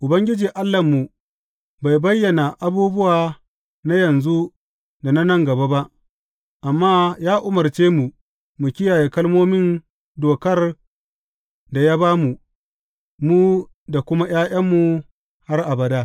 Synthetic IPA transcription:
ʔʊ˨bɐ˦ŋɡʲɪ˦d͡ʒiː˨ʔa˦lːɐ˨mːu˨ | ba˨jbɐ˦jːɐ˨na˨ʔa˦buː˦bʊ˦waː˨ | na˦jɐ˨nzu˦ | da˨na˦nɐ˦ŋɡɐ˨ba˦ba˦ʔ | ʔa˨mːaː˦jaː˦ʔʊ˦mɐ˨rt͡ʃeː˦mu˨ | mu˨kʲɪ˦jaː˨je˨kɐ˦lmoː˦mɪ˦n | doː˨kɐ˦r | da˨ja˦baː˦mu˨ | mu˦ | da˨kʷʊ˦ma˦j̰aː˦ʔɐ˦mːu˨ | ha˦rʔa˨bɐ˨daː˦

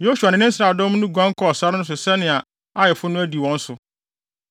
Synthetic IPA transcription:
jo˦su˨a˨nɪ̃˨˦nɪ̃˦n̩˦sɾaː˨dɔ̃˦mnʊ̃˦ɡʷã˦ŋ˦kʰɔ˦ɔ˨sa˦ɾɪ˦nʊ̃˦s̬ʊ˨sɛ˦nɪ̃˨a˨ | a˦jɛ˨fʊ˦nʊ̃˦æ˦di˨wɔ̃˦n̩˦sʊ˨

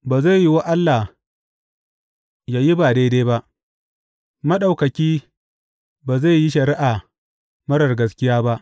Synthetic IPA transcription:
baː˨za˦˨jji˦wa˦ʔa˦lːa˨ | jaː˨ji˦baː˨deː˦deː˦ba˦ʔ | mɐ˦ɗa˨wkɐ˨kʲiː˦ | baː˨za˦˨ji˦ʃɐ˨ɾɪ˦ʔaː˨ | mɐ˦ɽɐ˨rɡɐ˦skʲɪ˦jaː˦ba˦ʔ

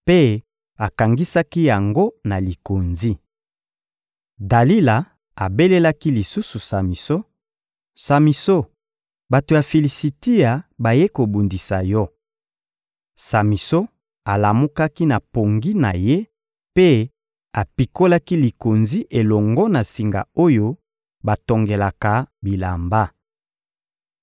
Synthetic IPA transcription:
pe˦ | a˨ka˨ŋɡi˦sa˦ki˦ja˨ŋɡo˦na˨li˨ko˨nzi˦ | da˨li˦la˨ | a˨be˦le˦la˦ki˦li˨su˦su˨sa˨mi˨so˦ | sa˨mi˨so˦ | ba˨to˨ja˨fe˨li˨si˨ti˦a˨ba˨je˦ko˨bu˨ndi˨sa˨jɔ˦ | sa˨mi˨so˦ | a˨la˨mu˦ka˦ki˦na˨po˨ŋɡi˦na˨je˦ | pe˦ | a˨pi˨ko˦la˦ki˦li˨ko˨nzi˦ʔe˨lɔ˨ŋɡɔ˦na˨si˨ŋɡa̰˨o˦jo˦ | ba˨to˨ŋɡe˨la˨ka˨bi˨la̰˨mba˦

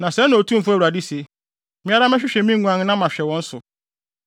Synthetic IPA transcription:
nã˨sɛ˦nʊ̃˨o˨tʰũ˦m̩˦fʊ˦æ˦˨u˨ɾa˨di˦se˨ | mɪ̃˦a˦ɾa˦mɛ˦ɕᶣɪ˦ɕᶣɛ˨mĩ˦ŋ˨˦ũ˦ã˦ñ˦nã˦mã˨ɕᶣɛ˨wɔ̃˦n̩˦sʊ˨

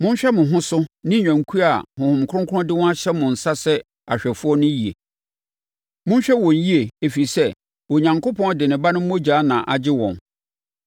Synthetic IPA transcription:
mʊ̃˦n˦ɕᶣɛ˦mʊ̃˨ɦʊ̃˦sʊ˦nɪ̃˦ɲᶣã˨ŋ˨kʰu˦a˨hʊ̃˨hʊ̃˨m˨kʰʊ˦ʊ̃˦ŋkʰʊ˦ɔ̃˦dɪ˦wɔ̃˦a˦ɕɛ˦mʊ̃˨n̩˨sa˦sɛ˦ | a˨ɕᶣɛ˨fʊ˦ɔ˦nʊ̃˦ji˨e˨ | mʊ̃˦n˦ɕᶣɛ˦wɔ̃˨n̩˨ji˦e˨e˨fi˨sɛ˦ | wɔ˨ɲã˨ŋko˦pɔ̃˦dɪ˨nɪ̃˨ba˦nʊ̃˦m̩˦mõ˦d͡ʑaː˨˦nã˨ʔa˨d͡ʑɪ˦wɔ̰̃˨n

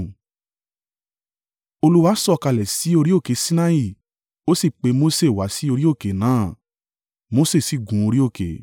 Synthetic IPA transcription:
o˧lu˦wa˦sɔ˦˨˧ka˧lɛ˨si˨˦o˧ɾi˦o˦˨ke˨˦sĩ˦na˦i˦˨ | o˦si˦˨k͡pe˨˦mo˦se˦˨wa˨˦si˨˦o˧ɾi˦o˦˨ke˨˦nãː˨˦˨ | mo˦se˦˨si˦˨ɡũ˨˦o˧ɾi˦o˦˨ke˨

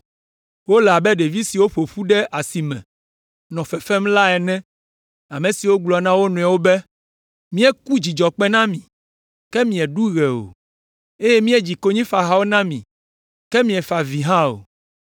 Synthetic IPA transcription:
wo˦la˨bɛ˦ɖe˨vi˦si˨wo˦ɸo˨ɸu˦ɖɛ˦ʔa˨si˨mɛ̰̃˨ | nɔ̃˨fɛ˨fɛ˦mla˦ɛ˨nɛ̃˦ | a˨mẽ˨si˨wo˦ɡ͡blɔ˨nã˦wo˦nũ˨a˨wo˦bɛ˦ | mĩ˦ɛ˦ku˦d͡ʑi˨d͡ʒɔ˨k͡pɛ˦nã˦mĩ˨ | kɛ˦mĩ˨ɛ˨ɖu˦ɣɛ˨o̰˨ | e˦jɛ˦mĩ˦ɛ˦˨d͡ʑi˨ko˦ɲĩ˦fa˨ɦa˨wo˦nã˦mĩ˨ | kɛ˦mĩ˨ɛ˨fa˨vi˨ɦã˦o̰˨

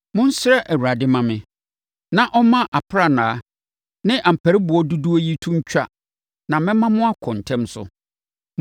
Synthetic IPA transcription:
mʊ̃˦n̩˦sɾɛ˦ʔæ˨wu˨ɾa˨dɪ˦mã˨mɪ̃˨ | nã˨ʔɔ˦mã˦ʔa˨pʰɾa˨nãː˨˦ | nɪ̃˦ʔã˨m̩˨pʰæ˨ɾi˦bʊ˨ɔ˦du˦du˦o˦ji˦tʰũ˦ɲ̩˦t͡ɕᶣa̰˦ | nã˨mɪ̃˦mã˦mʊ̃˦a˦kʰɔ̃˨n˨tʰɛ̃˦msʊ̰˨

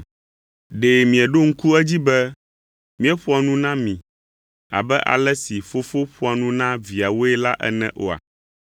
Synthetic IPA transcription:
ɖe˨mĩ˨ɛ˨ɖo˦ŋ̩˦ku˦ɛ˦d͡ʑi˦bɛ˦ | mĩ˦ɛ˦ɸo˦a˨nũ˦nã˦mĩ˨ | a̰˨bɛ˦ʔa̰˨lɛ˦si˨fo˦fo˦ɸo˦a˨nũ˦nã˦vi˨a˨wo˦ɛ˦la˦ʔɛ̰˦nɛ̰̃˦ʔo˦a̰˨

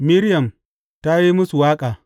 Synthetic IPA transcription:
mi˦ɾjɐ˨m | ta˦ji˦mʊ˦su˨waː˦kʼaː˨

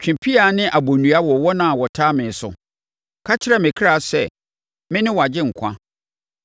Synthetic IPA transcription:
t͡ɕᶣɪ̃˨pʰi˦a˨nɪ̃˦ʔa˨bo˨nũ˨a˦wɔ˨wɔ˦nã˦˨wɔ˨tʰa˦mɪ̃˨sʊ̰˨ | kʰa˦t͡ɕʰɪ˦ɾɛ˦mɪ̃˨kʰɾa˨sɛ˦˨ | mɪ̃˦nɪ̃˦wɔ˨a˨d͡ʑɪ˦ŋ̩˨kʷʰã̰˦

